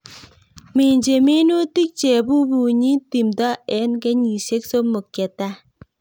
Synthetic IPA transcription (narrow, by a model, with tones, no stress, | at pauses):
mi˨ɲd͡ʒe˨mi˦nu˦ti˦k̚t͡ʃe˨bu˦bu˨ɲi˦ti˨mdɔ˦ɛ˦nkɛ˦ɲi˨se˦kso˦mo˨kjɛ˨ta˦